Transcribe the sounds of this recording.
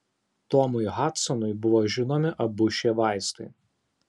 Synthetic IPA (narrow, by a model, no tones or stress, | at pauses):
t̪ɔmʊɪɣɑt̪sɔnʊɪbʊʋoːʒʲɪnomʲɪʔɐbʊʃʲeʋɑˑɪst̪ɐɪ